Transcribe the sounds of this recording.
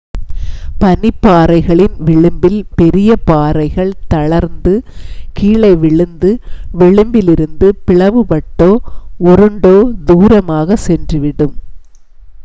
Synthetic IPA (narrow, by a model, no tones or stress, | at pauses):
pɐnɪpːaːɾɐɪɣɐɭɪnʋɪɭɯmbɪlpɛɾɪjɐpaːɾɐɪɣɐɭt̪ɐɭɐɾnd̪ɯkiːɭɐɪʋɪɭɯnd̪ɯʋɪɭɯmbɪlɪɾɯnd̪ɯpɪɭɐʋɯpɐʈːoːɔɾɯɳɖoːd̪uːɾɐmaːɣɐsɛndrɯʋɪɽɯm